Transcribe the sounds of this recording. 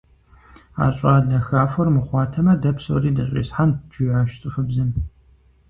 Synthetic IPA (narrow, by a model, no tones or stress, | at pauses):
a̰ːɕʼaːɮɐxaːfɐrmɨχʷɑːtʰɐmɐdɐpʰso̰ːriːdɐɕʼḭːsħand͡ʒɪjaːʃt͡sʼɨxɨbzɨm